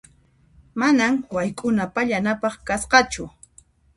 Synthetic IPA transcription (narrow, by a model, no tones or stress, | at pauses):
manaŋwajkʼʊnapaʎanapɑχkasqɑt͡ʃʊ